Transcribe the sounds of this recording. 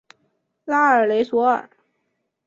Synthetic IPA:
la˥ə˞˨˩le˧˥ɪswɔ˧˥ə̰˞˨˩˦

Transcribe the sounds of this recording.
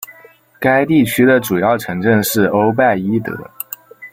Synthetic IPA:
ka˥ɪt̪i˥˩t͡ɕʰy˥d̪ə˨ʈ͡ʂu˨˩jɑ˥˩ʊʈ͡ʂʰɤ˧˥ŋʈ͡ʂə˥˧ŋʂɻ̩˥˩o˥ʊp̬a˥˩ɪi˥t̪ɤ̰˧˥˦

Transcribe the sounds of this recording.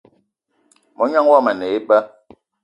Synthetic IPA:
mɔ˨˦ɲa˦ŋ˦wa˦˨mə˨ne˨e˦ɓə˦

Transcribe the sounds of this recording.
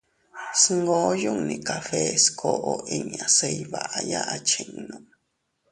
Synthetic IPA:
sŋɡoː˦ju˦˨ŋnĩ˧ka˨fe˦skʰo˨ʔo˨ʔi˧ɲ˨a˨se˧jβa˨ʔaja˦ʔa˧t͡ʃĩ˧ŋnõ˨

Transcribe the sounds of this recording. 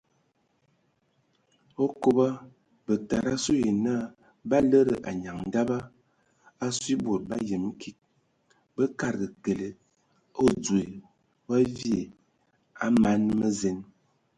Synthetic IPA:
o˦ko˦ba˦ | bə˨ta˨ɾa˦su˦je˨na˦˨ | ba˦lə˦ɾə˨ʔa˨ɲa˨ŋn̩˨da˦ba˦ | a˦swi˦bo˨t̚ba˦jə˨m˦kʰi˦k̚ | bə˦ka˨ɾɡə˨ke˨le˨ | o˦d͡zu˨e˨ | wa˦vje˨ | a˦ma˨˦nmə˦ze˨˦n

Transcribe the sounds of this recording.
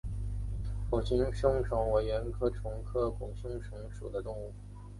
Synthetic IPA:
ko˨˩ŋɕi˧˥ŋʂɤ˥ŋʈ͡ʂʰɑ˧˥ŋwe˨˧˩ɪɥɛ˧˥nkʰɤ˥ʈ͡ʂʰʊ˧˥ŋkʰɤ˥kwʊ˨˩ŋɕu˥ŋʈ͡ʂʰʊ˧˥ŋʂṵ˨˩d̪ə˦t̪ʊ˥˧ŋu˥˩

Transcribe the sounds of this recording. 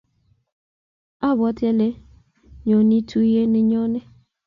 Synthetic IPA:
a˦bɔ˦te˦le˦ | ɲo˨ni˦tʰu˦i˦ɦe˦nɪ˨ɲɔ˦ne˦

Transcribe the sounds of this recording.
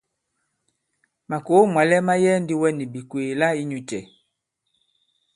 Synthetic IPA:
ma˨ko˨˦mwa˨lɛ˦ma˦jɛ˦ndi˦wɛ˦ni˨bi˨kweː˨la˦i˦ɲu˨t͡ʃɛ˨

